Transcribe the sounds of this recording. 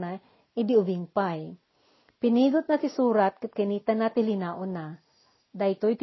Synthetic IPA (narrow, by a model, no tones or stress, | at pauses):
na | ɪd̪iʊbiŋpaj | pɪniːɡʊt̪̚nɐsɪsuːɾat̪̚kɨt̪̚kɐniːt̪anat̪ɪlɪnaːʔʊna | d̪ajt̪ojp